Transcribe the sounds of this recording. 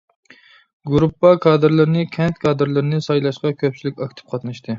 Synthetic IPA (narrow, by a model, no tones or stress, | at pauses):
ɡuɾupːɑkʰɑːd̪ɨɾlˠɨɾnɨkʲʰɛnt̪kʰɑːd̪ɨɾlˠɨɾɨnɨsɑjlˠɑʃqɑkʲʰøp̚t͡ʃʰilɪkʲɑkʲt̪ʰɪ̥p̚qʰɑt̪nɨʃt̪ʰɨ